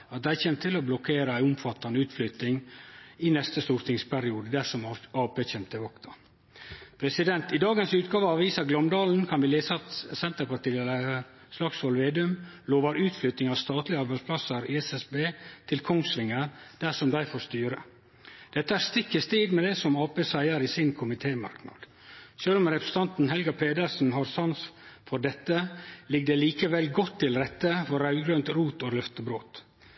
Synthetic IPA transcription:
ɑt̪̚d̪æɪçeːnt̪ʰɪlɔblɔkʰeːɾəæɪʊmfɑt̪ːɑnəʉːt̪flʏt̪nɪŋɪnɛst̪əst̪uːɾt̪ɪŋspʰæɾɪuːd̪əd̪æʂɔmɑːʋbəçɛnt̪əʋɑkt̪ɑ | pʰɾɛsɪd̪ɛnt̪ɪd̪ɑːɡənsʉːt̪ɡɑːʋəɑʋʋiːsɑɡlœmd̪ɑːln̩kʰɑnʋɪleːsəɑt̪sɛnt̪əɾpɑʈiːɛlə | slɑksʋɔlʋeːd̪ʉmloːʋɑɾʉːt̪flʏt̪nɪŋɑʋst̪ɑːt̪lɪəɑɾbæɪspʰlɑsəɾɪɛsɛsbeːt̪ʰɪlkʰɔŋsʋɪŋːəɾd̪̥æʂɔmd̪æɪfɔːɾst̪yːɾə̰ | d̪̥ɛt̪ːəæɾst̪ɪkːəst̪iːd̪mɛd̪ɛsɔmɑːpeːsæɪəɾiːsɪnkʰʊmɪt̪ʰeːmɑ̰ɾknɑ̰d̪̥ | ʃøːlɔmɾɛpɾəsə̥t̪ɑnt̪n̩ɦɛlɡɑpʰeːd̪əɾsn̩ɦɑɾsɑnsfɔdɛt̪ːəlɪɡ̚d̪əliːkəʋɛlɡɔt̪ʰːɪlɾɛt̪ːəfɔɾɑʉɡɾønt̪ɾuːt̪olœft̪əbɾoːt̪

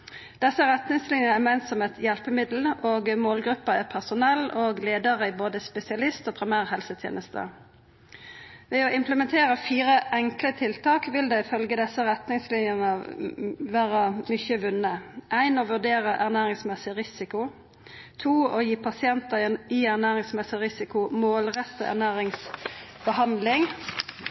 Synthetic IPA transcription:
d̪̥ɛsːəɾɛt̪nɪŋslɪnjənəɛmɛɪnsɔmɛt̪ʰjɛlpəmɪd̪l̩oːɡmoːlɡɾʉpːəæʁpʰæʁsʊnɛlːoːɡleːd̪əʁəɪboːd̪əspɛsɪɑlɪst̪oːpʰɾɪmæːʁhɛlsət̪ʰjḛːnʔəst̪ʰə̰ | ʋɛːoɪmpləmɛnt̪ʰeːʁəfiːʁəʔɛŋklət̪ʰɪlt̪ɑːkʋɪld̪ɛɪfœlɡəd̪ɛsːəʁɛt̪nɪŋslɪnjəʁnə | ʋæːʁəmʏçəʋʉnəʔæɪnoːʋʉʁd̪eːʁəʔæʁnæːʁɪŋsmɛsɪʁɪsɪkʊ | t̪ʰuːoːjiːpʰɑsɪɛnt̪əiːæʁnæːʁɪŋsmɛsɪʁɪsɪkʊmoːlʁɛt̪əæ̰ʁnæːʁɪŋsbəɦɑnd̪lɪŋ

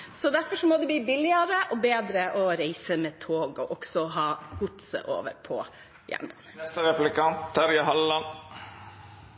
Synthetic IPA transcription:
sɔd̪æɾfɔʂɔmɔd̪ɛbliːbɪlːɪɑɾəʔɔbeːd̪ɾəʔɔɾæɪsəmeːt̪ʰoːɡɔʔɔksɔɦɑːɡ̥ʊt̪sə̰ʔo̰ːʋə̰ɾpʰɔ̰ | jæ̰ːɳbɑnənɛst̪əɾɛplɪkʰɑnt̪ʰːɑɾjɑɦɑlːɑn

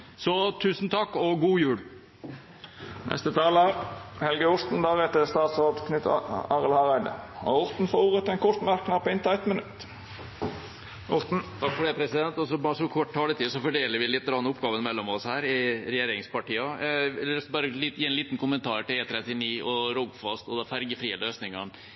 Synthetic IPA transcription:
sɔt̪ʰʉːsnt̪ʰɑkːɔɡuːjʉːɽ | nɛ̰st̪ət̪ʰɑːləhɛlɡəʊɾt̪n̩d̪ɑːʁɛt̪əst̪ɑːt̪sʁoːd̪kʰnʉt̪ːɑʁəlhɑʁæɪd̪ə̰ɑ̰ʊʁt̪n̩fɔɾuːʁət̪ɛnkʰɔt̪mɑɾknɑpɔɪnt̪ɑɛt̪mənʉt̪ː | ʊt̪̩t̪ʰɑkːfɔɖ̪ɛːpʰɾɛsɪd̪ɛnt̪ɔsɔbɑːɾsɔkʰɔʈːt̪ʰɑːlət̪iːsɔfɔɖeːləɾʋɪlɪt̪ːɾɑnːʊpːɡɑːʋənmɛlːɔmɔshæːɾɪɾɛjeːɾɪŋspɑʈiːɑɛlsbɑːɾəlːjiːɛnliːt̪nkʊmənt̪ʰɑːɾʈɪleːt̪ʰɾɛt̪ɪniːʔɔɾɔɡfɑst̪ɔd̪ɛfæɾɡəfɾiːəløːsnɪŋɑn

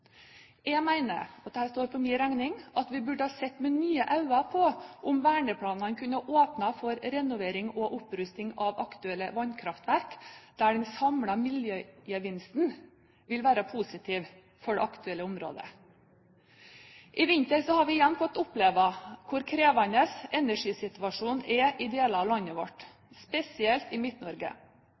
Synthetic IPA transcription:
ɛmæɪnə̰ɔt̪̚d̪ɛhæːɾst̪oːɾpʰɔmɪːɾæŋnɪŋɑt̪ʋɪbʉɖəhɑːsɛt̪ːmɛnyːəʔɑʉɑpʰɔʔʊmʋæːɳəpʰlɑːnɑnkʰʉnːəɑʔoːpnɑfɔɾɾɛnʊʋeːɾɪŋɔʔʊpɾʉst̪ɪŋɑʋɑ̰kt̪ʉɛlːəʋɑnkʰɾɑft̪ʋæɾkd̪̥æɖɛnsɑmlɑmɪljøjəʋɪnst̪n | ʋɪlʋæːɾɑpʰusɪt̪ʰiːʋ | fɔɖɛ̰ʔɑkt̪ʉɛlːəʊmɾo̰ːd̪ə̰ | ʔɪʋɪnt̪əɾsɔhɑɾʋɪɪjɛnːfɔt̪ːʊpleːʋɑkʰʊɾkʰɾeːʋɑnəsɛnæʂiːsɪt̪ʉɑʂuːnɛʔɪd̪eːlɑːʋlɑnəʋɔʈ | spɛsɪɛlt̪ɪmɪt̪nɔɾɡə̰

